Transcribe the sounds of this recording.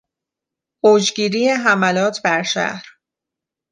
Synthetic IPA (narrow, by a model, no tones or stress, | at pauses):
oːd͡ʒɟiːɾiːjeɦæmælɒːt̪ʰbæɾʃæ̰hɾ